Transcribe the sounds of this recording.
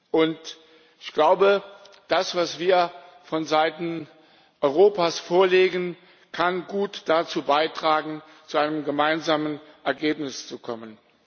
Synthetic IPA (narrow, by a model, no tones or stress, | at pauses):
ʔʊnt | ɪçɡ̥laʊbə | d̥asv̥asv̥iːɐ | fɔnzaɪtn̩ | ʔɔʏʁoːpaːsfoːɐleːɡən | kʰanɡuːtd̥at͡suːbaɪtʁ̥aːɡŋ̩ | t͡suʔaɪnəmɡəmaɪnzaːmən | ʔɛɐɡeːpnɪst͡sukʰɔmən